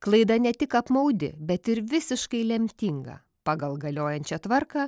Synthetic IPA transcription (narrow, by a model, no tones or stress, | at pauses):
klˠɐɪd̪ɐnʲɛt̪ʲɪkɐpmɐʊd̪ʲɪ̰bʲɛt̪ɪɾʋʲɪsʲɪʃkɐɪlʲɛmʲt̪ʲiːŋɡɐ̰ | pɑːɡɐlˠɡɐlʲoːjɛnʲt͡ʃʲɛt̪ʋɐɾkɑː